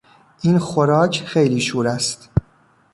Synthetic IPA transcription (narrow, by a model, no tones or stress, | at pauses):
ʔiːnxoɾɒːcʰxe̞jliːʃuːɾæst̪